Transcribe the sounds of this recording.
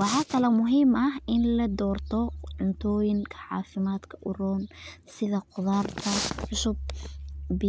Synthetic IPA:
wɑħɑːkʰɐlɛmʊɦiːmʔɐɦɪnlɐd̪ɔːrt̪ʰɔʕʊnt̪ʰɔːjɪŋkʰɐʕɑ̰ːfɪmaːd̪kʰɐ̥ʔʊɾɔːnsɪðɐqʊðaːrt̪ʰɐħʊsʊb̚ | bɪ

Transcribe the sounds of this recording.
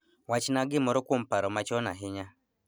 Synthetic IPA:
wat͡ʃinaɡɪmɔɾɔkʷom̩paɾɔmat͡ʃɔnaɦɪɲa

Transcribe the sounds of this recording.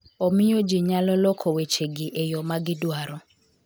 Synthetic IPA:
omɪjod͡ʒɪɲalɔlɔkʰɔwet͡ʃeɡɪʔejɔmaɡɪdwaɾɔ

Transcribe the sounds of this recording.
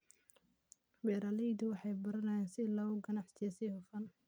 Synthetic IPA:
wɛːɾalɛjd̪ʊwɑħɑjbɐɾɐnɐjɛːnsɪlɔːɣʊɡɐnɑħsɪjɔsiːhʊfɐn

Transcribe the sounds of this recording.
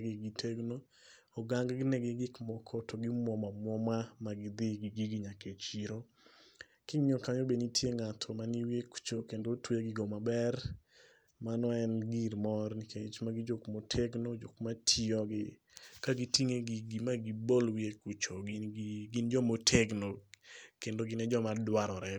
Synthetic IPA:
ɡɪɡitʰeɡnoː | ɡaŋɡɡɪnɛɡeɡɪkmɔkʰɔtʰoɡɪmwɔmamwɔmamaɡɪd̪ɪɡiɡiɡiɲaket͡ʃiɾo | kɪŋɲɔkaɲobenitʰjeŋatʰɔmaniwieku̥t͡ʃokendotweɡɪɡomabɛr | manɔɛnɡiɾmɔrnikʰet͡ʃmaɡɪd͡ʒokmotʰeɡnod͡ʒokmatʰiɔɡɪ | kaɡitiŋeɡiɡimaɡibolwiekut͡ʃoɡiɡind͡ʒɔmotʰeɡnokendoɡɪnɛd͡ʒɔmadwaɾɔɾɛ

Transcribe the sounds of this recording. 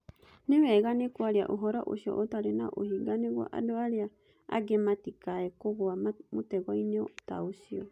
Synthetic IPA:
newɛɣanekwaɾia̰ʔoɦɔɾɔʔoɕiɔ̰ʔotaɾena̰ʔohiɡaneɣwɔ̰ʔa̰doaɾea | a̰ɡematikaɛkoɣwamotɛɣɔineo̰taosiɔ

